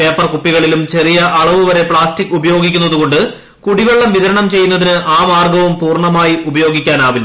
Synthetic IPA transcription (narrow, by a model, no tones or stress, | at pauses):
pe̞ːpːɐrkupːiɣɐɭilumt͡ɕe̞rijɐʔɐɭɐʋuʋɐɾe̞pɭaːstikːubɐjo̞ːɡik̬ʲːunːɐðuko̞ɳɖɨ | kuɽiʋeɭːɐmʋiðɐɾɐɳɐmt͡ɕe̞jːunːɐðinɨʔaːmaːrɡɐʋumpuːrɳɐmaːjiʔubɐjo̞ːɡikʲːaːnaːʋil